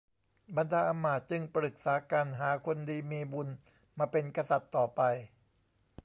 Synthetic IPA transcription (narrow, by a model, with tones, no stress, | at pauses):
ba˧ndaː˧ʔa˧mːaː˨˩t̪̚t͡ɕɯ˧ŋpɾɯ˨˩k̚saː˩˦kaː˧nɦaː˩˦kʰo˧ndiː˧miː˧bu˧n | maː˧pe˧nka˧sa˨˩t̪ːɔː˨˩pa˧j